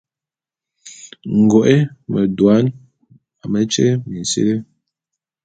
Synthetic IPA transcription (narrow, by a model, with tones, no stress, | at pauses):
ŋ̩˨ɡɔ˨ʔe˦mə˨dwa˨˦n | a˨mə˦t͡ʃḛ˦mi˨n˨sḭ˦le˦